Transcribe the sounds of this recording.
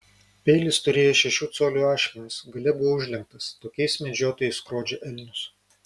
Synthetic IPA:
pʲɛɪlʲɪst̪ʊɾʲeːjoːʃʲɛʃʲuːt̪soːlʲuːɑːʃʲkʲɛnʲɪsɡɐlʲɛbʊʋoʊʒʲlʲɛŋk̚t̪ɐst̪oːkʲɛɪsmʲɛd͡ʒʲoːt̪oːjɛɪskɾoːd͡ʒʲɛʔɛlʲnʲʊs

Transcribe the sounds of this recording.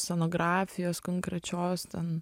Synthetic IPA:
sʲɛnoːɡɾɑːfʲɪjoːskoŋkɾʲɛt͡ʃʲoːst̪ʲɛn

